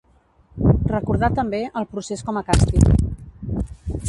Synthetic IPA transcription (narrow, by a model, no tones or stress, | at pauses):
rəkuɾð̞at̪əmbeʔəlˠpɾuseskɔməkast̪ḭk